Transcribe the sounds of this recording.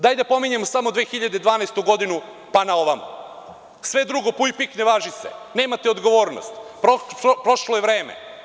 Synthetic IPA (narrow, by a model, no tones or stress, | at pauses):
d̪aːjd̪apo̞miɲe̞mosamo̞d̪ʋeːxiʎad̪ed̪ʋaːnaest̪uɡo̞d̪inu | panao̞ʋama̰ | sʋe̞d̪ɾuɡo̞puipikneʋaːʒisḛne̞ːmat̪eo̞d̪ɡo̞ʋo̞ːɾno̰st̪pɾopɾo̞ʃlojeʋɾe̞ːmḛ